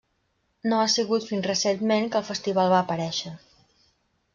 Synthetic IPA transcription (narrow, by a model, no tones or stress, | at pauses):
noasiɣut̪finzrəsenmenkəlˠfəst̪iβ̞alˠβaːpəɾɛʃə